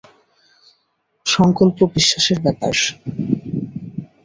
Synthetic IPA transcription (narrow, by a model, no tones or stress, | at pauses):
ʃɔŋkolpobiʃːaʃeɾbɛpa̰ʃ